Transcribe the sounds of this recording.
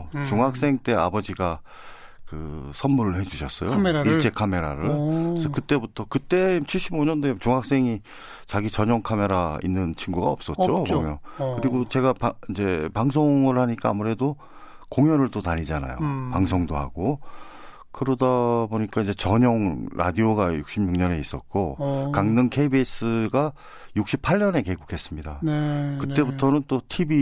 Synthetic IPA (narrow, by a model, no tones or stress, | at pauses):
t͡ɕuŋɦak̚s͈e̞ŋt͈e̞abʌd͡ʑiɡa | kɯsʰʌnmuɾɯɭhe̞d͡ʑuɕʰʌs͈ʌ̰jomit͡ɕ͈e̞kʰame̞ɾaɾɯɭesʰʌkɯt͈e̞butʰʌkɯt͈e̞mt͡ɕʰiɭɕ͈iboɲʌndot͡ɕuŋɦak̚s͈e̞ŋi | t͡ɕaɡit͡ɕʌɲʌŋkʰame̞ɾaḭnːɯnt͡ɕʰinɡuɡaʌp̚s͈ʌt̚t͡ɕ͈opomjʌnkɯɾiɡot͡ɕe̞ɡapaind͡ʑe̞paŋs̬ʰoŋɯɭɦaɲik͈aːmuɾe̞do | koŋjʌɾɯɭt͈otaɲid͡ʑana̰jo̰paŋsʰoŋdoɦa̰ɡ̥o | kɯɾʌdaboɲik͈aind͡ʑe̞t͡ɕʌɲʌŋɾʔa̰dioɡajuk̚ɕ͈imɲuŋɲʌne̞is͈ʌ̰t̚k͈okaŋnɯŋkʰe̞ibies͈ʰɯɡa | juk̚ɕ͈ipʰaɭːʌne̞keɡokʰe̞s͈ɯmɲidankɯt͈e̞butʰʌnɯnt͈otʰibi